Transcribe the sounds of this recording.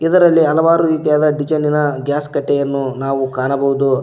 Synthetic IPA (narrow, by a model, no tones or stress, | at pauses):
id̪ɐɾɐlːiɐlɐʋaːɾuɾiːt̪ijaːd̪ɐɖid͡ʒɐninɐɡjaːskɐʈːɛjɐnːunaːʋukaːɳɐbɐɦud̪u